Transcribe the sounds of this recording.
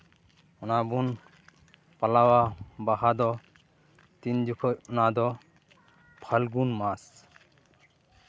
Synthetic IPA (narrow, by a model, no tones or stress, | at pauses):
unabun | pɐlawabaɦad̪ɔ | t̪ind͡ʒukʰɔunad̪ɔ | pʰɐlɡunmas